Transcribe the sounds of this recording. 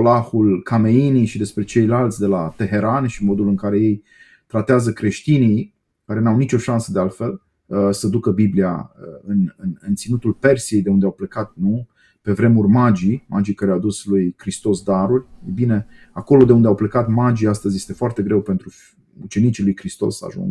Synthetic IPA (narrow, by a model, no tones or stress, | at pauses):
olahulkʰame̞inijʃid̪e̞spɾe̞t͡ʃe̞jlalt̪sʲd̪e̞lat̪e̞ɦe̞ɾanʃimo̞d̪ulɨŋkaɾe̞je̞j | t̪ɾat̪eazəkɾe̞ʃt̪inij | kaɾe̞nawnit͡ʃo̞ʃansəd̪e̞alt̪fe̞l | əsəd̪ukəbiblia̰əɨnɨnɨnt̪sinut̪ulpe̞rsije̞jd̪e̞und̪eawplekat̪̚nu | pe̞vɾe̞murʲmad͡ʒimʔa̰d͡ʒikəɾeawd̪uslujkɾist̪o̞sd̪aɾurʲejbine̞ | ako̞lo̞d̪e̞und̪eawplekat̪mad͡ʒiast̪əzʲje̞st̪e̞foart̪e̞ɡɾe̞wpent̪ɾu | ut͡ʃe̞nit͡ʃilujkɾist̪o̞̰sa̰ʒṵŋɡ